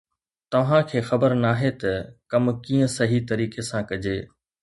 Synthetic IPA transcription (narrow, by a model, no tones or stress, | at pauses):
t̪ɐʋ̤ãkʰeːxɐbəɾnaːɦet̪ɐkɐmkiːə̃sɐɦit̪ɐɾiːkesãkɐd͡ʑeː